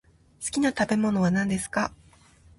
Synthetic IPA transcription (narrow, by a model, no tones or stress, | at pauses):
sɨ̥kʲinat̪abe̞mo̞no̞βanãnd̪e̞sɨ̥ka